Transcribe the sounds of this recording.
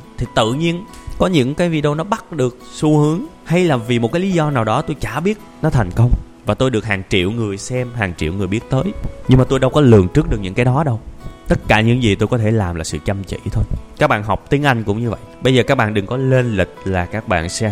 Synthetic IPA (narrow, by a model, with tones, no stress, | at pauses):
t̪ʰi˨˩t̪ɨ̰˧˨ɲi˧ənkɔ˨˦ɲɨ̰˧˥ŋkaː˨˦jvi˧ɗo˧wnɔ˨˦ɓa˦˥t̚ɗɨ˨˩ək̚su˧hɨ˨˦əŋha˧jlaː˨˩vi˨˩mo˨˩t̚kaː˨˦li˨˦zɔ˧naː˨˩wɗɔ˨˦t̪o˧jt͡ɕaː˧˩ɓi˦˥ət̚nɔ˨˦t̪ʰa˨˩ŋ̟kə˧wŋ͡m | vaː˨˩t̪o˧jɗɨ˨˩ək̚haː˨˩ŋt͡ɕḭ˧˨əwŋɨ˨˩əjsɛ˧mɦaː˨˩ŋt͡ɕḭ˧əwŋɨ˨˩əjɓi˦˥ət̚t̪əː˨˦jɲɨ˧maː˨˩t̪o˧jɗə˧wkɔ˨˦lɨ˨˩əŋt͡ɕɨ˦˥k̚ɗɨ˨˩ək̚ɲɨ̰˧˥ŋkaː˨˦jɗɔ˨˦ɗə˧wt̪ə˦˥t̚kaː˧˩ɲɨ̰˧˥ŋzi˨˩t̪o˧jkɔ˨˦t̪ʰe˧˩laː˨˩mlaː˨˩sɨ̰˧˨t͡ɕə˧mt͡ɕḭ˧˨t̪ʰo˧jkaː˦˥k̚ɓa̰ː˧˨nɦɔ˨˩wk͡p̚t̪i˨˦əŋʔa˧jŋ̟kʊ̰˧˥ŋ͡mɲɨ˧və̰˧˨jɓə˧jzəː˨˩kaː˦˥k̚ɓa̰ː˧˨nɗɨ˨˩ŋkɔ˨˦le˧nlï˨˩k̚laː˨˩kaː˦˥k̚ɓa̰ː˧˨nsɛ˧